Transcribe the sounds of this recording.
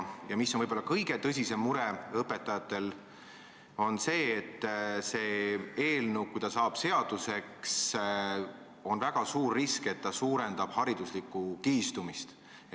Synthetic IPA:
jɑmisːonvɤjb̥olːɑkɤjɡ̥e̞t̪ɤs̬ʲise̞mːuɾe̞ɤpːˑe̞t̪ːˑɑjɑt̪ːˑe̞l | o̞nse̞ːt̪ːse̞ːe̞ːlnuwkujd̪ɑsɑːb̥se̞ɑd̪̥use̞ks | o̞nvæɡ̥ɑsuːrːiske̞t̪ːɑsuːɾe̞nd̪̥ɑb̥hɑɾid̪uslikːˑukiːst̪umist̪

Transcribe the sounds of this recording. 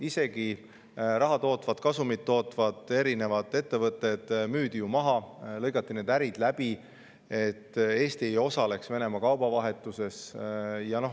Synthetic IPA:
ise̞ɡi | rɑɦɑt̪o̞ːt̪ːvɑd̪̥kɑsumid̪ːo̞ːt̪ːˑvɑd̪̥e̞ɾine̞vɑd̪̥e̞t̪ːe̞vɤt̪ːˑe̞d̪̥myːd̪̥ijumɑɦɑlɤjɡɑt̪ːine̞ːd̪æɾid̪̥læb̥i | e̞t̪ːe̞ːst̪iejo̞sɑle̞ksve̞ne̞mɑkɑwb̥ɑvɑɦe̞t̪ːˑuse̞sjɑno̞h

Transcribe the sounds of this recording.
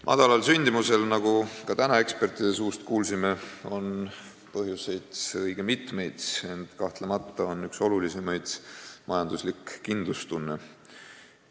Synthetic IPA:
mʔɑ̰d̪ɑlɑlsynʲd̪̥imuse̞lnɑɡukɑt̪ænɑe̞kspe̞rt̪ˑid̪̥e̞s̬uːst̪kuːlsime̞o̞n | pɤɦjuse̞jd̪̥ɤjɡ̥e̞mit̪me̞jd̪̥e̞nt̪kɑht̪lemɑt̪ːˑɑo̞nːykso̞lulisemɑjd̪̥mʔɑjɑnd̪uslikːind̪lust̪unːe

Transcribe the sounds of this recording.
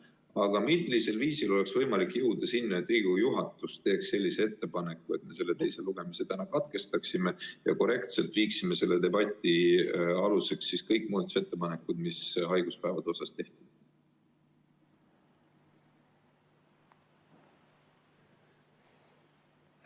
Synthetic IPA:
ɑɡ̥ɑmillise̞lviːsilo̞le̞ksvɤ̞jmɑlikːjuwd̪̥ɑsinːɑet̪ːˑriːɡ̥ujuɦɑt̪ːˑust̪e̞ːksːe̞lʲːisee̞t̪ːe̞pɑne̞kːˑue̞t̪me̞se̞lːe̞t̪e̞jseluɡ̥e̞meset̪ænɑkɑt̪ke̞st̪ɑksime̞jɑ̰ko̞ɾe̞kt̪se̞lt̪viːksime̞se̞lːe̞d̪e̞bɑt̪ʲːˑiɑluse̞ksːiskɤjkːˑmuːd̪t̪se̞t̪ːe̞pɑne̞kːˑud̪̥misɦɑjɡ̥uspævɑd̪̥o̞sɑst̪e̞ht̪id̥̪

